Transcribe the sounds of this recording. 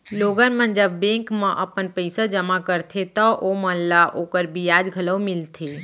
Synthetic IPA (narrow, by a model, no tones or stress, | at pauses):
loɡənmənd͡ʒəbːẽŋkmə̃ʔəpənpəɪsəd͡ʒəmakəɾt̪ʰet̪əʔomənlaʔokəɾbijad͡ʒɡʱələwmilt̪ʰe